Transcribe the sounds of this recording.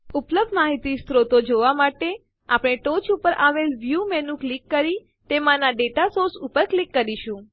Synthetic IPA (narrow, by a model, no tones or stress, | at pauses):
upləb̚d̪maɦit̪ist̪ɾot̪od͡ʒoʋamaʈe | apɽ̃eʈot͡ʃupəɾʔaʋelʋjumenũklikːəɾi | t̪emãnaɖeʈasoɾsupəɾklikːəɾiʃũ